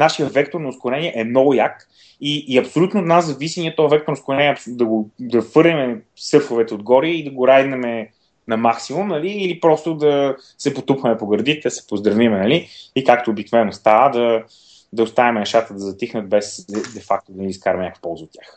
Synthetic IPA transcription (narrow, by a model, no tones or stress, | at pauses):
naʃiəvɛkt̪oɾnoːskʊɾɛniɛʔɛmnɔɡʊjak | iːɐpsolʲut̪noːt̪naszɐvisiniɛt̪ɔvɐvɛk̚t̪oɾnoskʊɾɛniɛɐpsd̪ɐɡod̪ɐfɤɾnʲimɛ | sɤɾfovɛt̪ɛod̪ɡɔɾiəid̪ɐɡoɾajd̪nɛmɛ | nɐmaksimumnɐliːlipɾɔst̪od̪ɐ | sɛpot̪upvɐmɛpoɡəɾd̪it̪ɛd̪əsɛ̥pozd̪ɾɐvimɛnɐliikakt̪oːbiknovɛnːost̪avəd̪ɐ | d̪ɐʊst̪avimɛnɛʃat̪əd̪ɐzɐt̪ixnət̪̚bɛsd̪ɛfak̚t̪od̪ɐniskaɾɐmɛnʲɲakə̥fpɔlˠzəot̪tʲjax